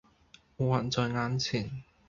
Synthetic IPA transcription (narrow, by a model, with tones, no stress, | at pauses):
o˨˧˩aː˨˩nt͡sɔː˧ŋaː˨˥nt͡sʰiː˨˩n